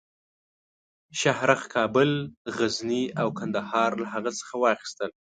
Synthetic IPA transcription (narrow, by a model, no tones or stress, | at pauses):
ʃahɾaxkʰɑbʊlɣazniawkand̪ahɑɾlahaɣət͡sə̥xawɑxi̥st̪əl